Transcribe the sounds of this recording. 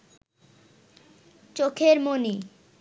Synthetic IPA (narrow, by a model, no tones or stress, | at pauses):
t͡ɕokʰeɾmoni